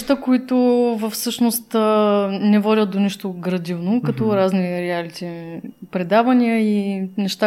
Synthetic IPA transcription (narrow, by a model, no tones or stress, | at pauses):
t̪əkoit̪ʊvəfsɤʃnost̪ | nɛvɔdʲət̪̚d̪oniʃt̪oɡɾɐd̪ivnokɐt̪ɔɾazniɾɛalit̪ipɾɛd̪avəniəinɛʃt̪a